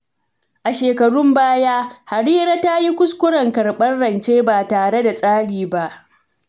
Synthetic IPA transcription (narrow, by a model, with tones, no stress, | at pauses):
ʔa˨ʃeː˨kɐ˨ɽʊ˦mbaː˦jaː˦ha˨ɽiː˦ɾa˦ta˦ji˦kʷʊ˦skʷʊ˦ɽɐ˨ŋkɐ˨ɽɓɐ˦nɽɐ˨nt͡ʃeː˦baː˨taː˨ɽe˦da˨sʼaː˦ɽiː˨ba˦ʔ